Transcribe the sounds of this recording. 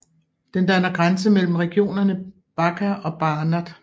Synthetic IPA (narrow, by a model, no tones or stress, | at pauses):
d̥end̥ænɐɡ̥ʁansəmel̰m̩ʁɛɡ̥io̝̰ːnɐnə | b̥ɑ̈ɡ̥ʰæɒ̽b̥ɑ̈ːnæd̥